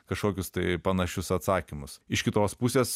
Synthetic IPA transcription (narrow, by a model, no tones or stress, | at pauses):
kɐʃkoːkʲʊst̪ɐɪpɐnɐʃʲʊsɐt̪sɑːkʲɪmʊsɪʃkʲɪt̪oːspusʲeːs